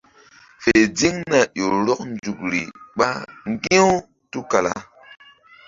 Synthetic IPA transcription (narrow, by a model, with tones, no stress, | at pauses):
fe˨d͡zi˦ŋna˨jo˨ɾɔ˦k̚n˦d͡ʒu˨kɾḭ˨ɓa˦ŋ˦ɡi˦o˦ | tu˦ka˨la̰˨